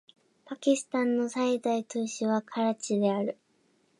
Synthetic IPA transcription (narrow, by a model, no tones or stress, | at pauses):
pakʲisɨ̥t̪ãnːo̞said̪ait̪oːɕiβakʰaɾat͡ɕid̪e̞aɾɯ̟